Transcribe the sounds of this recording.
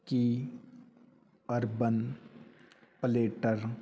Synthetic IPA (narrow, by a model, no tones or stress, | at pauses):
ki | əɾbən | pəleːʈəɾ